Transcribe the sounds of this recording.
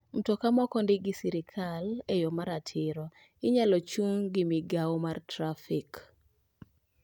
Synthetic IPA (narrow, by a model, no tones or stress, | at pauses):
n̩tɔkamɔkɔndɪɡɪsiɾɪkʰalejomaɾatʰɪɾɔ | ɪɲalɔt͡ʃuŋɡɪmɪɡawmartɾafik